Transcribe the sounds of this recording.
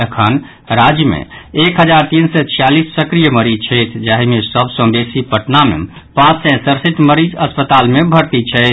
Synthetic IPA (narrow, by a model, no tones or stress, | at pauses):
ekʰən | ɾad͡ʒjəmḛekɦəd͡ʒaɾt̪insɛt͡ʃʰijalisːəkɾijəməɾit͡ʃʰɛjt̪ʰd͡ʒaɦimesəbsə̃besipəʈnamḛ | pãt͡ʃsɛ̃səɾsiʈməɾid͡ʒəspət̪almebʱəɾt̪it͡ʃʰɛɪt̪ʰ